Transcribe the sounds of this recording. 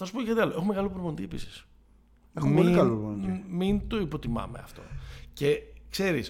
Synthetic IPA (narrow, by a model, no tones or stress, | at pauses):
θɐsupoekɐt̪iɐloe̞xumeɣɐlopɾovont̪iepisi̥s | exummoikɐlopvonimint̪o̞ipo̞t̪imɐ̰meɐ̰ft̪o̞̰ce̞kse̞ɾis